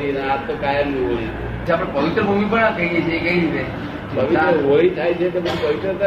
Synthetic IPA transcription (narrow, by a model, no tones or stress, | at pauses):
inat̪okajəmnũɦoit̪o | t͡ʃʰaapəɽpəʋɪt̪ɾəbʱumipəɽ̃akəɦiet͡ʃʰeːkəiɾit̪e | pəʋiaɾəɦoit̪ʰajt͡ʃʰek̪omãpəʋit̪ɾət̪ə